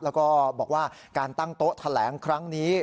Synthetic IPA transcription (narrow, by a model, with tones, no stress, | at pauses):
lɛː˦˥wkɔː˥˩bɔː˨˩k̚waː˥˩kaː˧nt̪a˥˩ŋt̪o˦˥t̪ʰa˧lɛː˩˦ŋkʰɾa˦˥ŋniː˦˥